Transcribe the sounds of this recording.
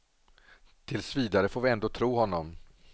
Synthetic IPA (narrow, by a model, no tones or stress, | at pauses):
t̪ʰɪlsviːd̪aɾəfoːɾvɪɛnd̪oːt̪ʰɾuːɦɔnːɔm